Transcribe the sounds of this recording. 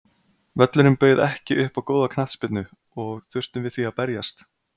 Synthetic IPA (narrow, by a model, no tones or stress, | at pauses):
vɛt̪lʏɾʏmpeːjðɛhcɪʔʏhpawkoːwðakʰnaht̪spɪt̪nʏ | ɔɣθʏr̥t̪ʏmvɪðθiapɛɾjast̪